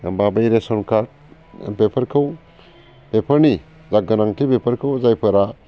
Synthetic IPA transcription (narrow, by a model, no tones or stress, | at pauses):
babajɾesɔnkʰaɾt̚ | pepʰɐɾkʰɯw | pepʰɐɾni | zaɡənaŋtʰipepʰɐɾkʰɯwzajpʰɐɾa